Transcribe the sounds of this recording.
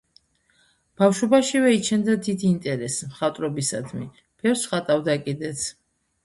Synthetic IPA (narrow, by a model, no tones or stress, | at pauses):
b̥afʃwɔbaʃivɛit͡ʃʰɛnd̪ad̪id̪iːnt̪ʼɛɾɛsmχat̪ʼɾɔbisa̰d̪mi | b̥ɛɾsχat̪ʼavd̪akʼid̪ɛt̪sʰ